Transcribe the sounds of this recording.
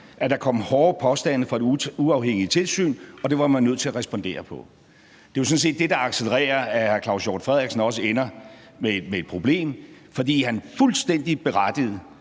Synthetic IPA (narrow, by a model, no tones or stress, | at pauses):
ʔæd̥ɑ̈kʰɒ̽m̰hɒːpʰɒ̽sd̥æn̰əfɒe̝duɑ̈ʊɦeŋ̰it͡sʰe̝lsy̰ːnɒ̽d̥e̝ʋɑ̈mænːøð̞̰ˠt͡sʰe̝læʁɛsb̥ɒ̽nd̥e̝̰ːɐpʰɒ̽ | d̥e̝jasɒ̽n̩s̬e̝̰ːd̥ːe̝d̥ɑ̈ɑ̈ɡ̥seləʁɛ̰ːɐæhæɐkʰlɑ̈ʊsjɒ̰ːd̥fʁɛð̰ˠeɡ̥sn̩ɒ̽s̬əenɐ | memee̝d̥̚pʰʁo̝b̥le̝̰ːmfɒ̽d̥ḭːɦænfulsd̥en̰d̥ib̥e̝ʁɑd̥ið̞̩ˠ